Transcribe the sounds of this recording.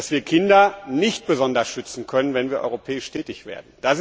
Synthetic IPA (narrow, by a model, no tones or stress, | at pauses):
asv̥iːɐkʰɪndɐnɪçt̚b̥əzɔndɐsʃʏt͡sn̩kʰœnənvɛnviːɐʔɔ̰ʏʁopʰɛːɪʃtʰɛːtɪçv̥ḛːɐdn̩d̥as